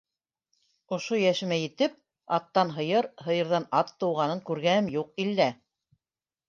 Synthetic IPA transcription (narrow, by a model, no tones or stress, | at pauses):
ŏʃojæʃɘ̆mæjɘ̆t̪ɘp̚ | ɑt̪ːɑnɦɤ̆jɤɾhɤ̆jɤ̆ɾðɑnɑt̪ːɤ̆wʁɑnɤŋkʉɾɡænɘmjuq̚ilːæ